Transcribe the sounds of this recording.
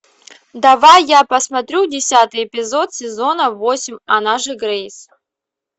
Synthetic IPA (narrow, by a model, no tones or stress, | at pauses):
d̪ɐvajːapɐsmɐt̪ɾʲudʲɪsʲat̪ɨjɪpʲɪzo̞t̪sʲɪzo̞nəvosʲɪmʲɐnaʐɨɡɾejs